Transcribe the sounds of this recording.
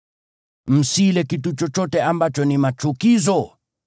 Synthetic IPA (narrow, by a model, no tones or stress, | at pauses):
m̩silɛkitut͡ʃɔt͡ʃɔtɛambat͡ʃɔnimat͡ʃukizɔ